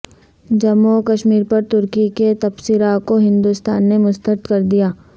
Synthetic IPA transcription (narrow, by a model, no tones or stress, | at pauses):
d͡ʒɐmːokɐʃmiːɾpɐɾt̪ʊɾkiket̪ɐpsiɾakoɦɪ̃nd̪ust̪aːnːemʊst̪əɾɪt̪kɐɾd̪ijaː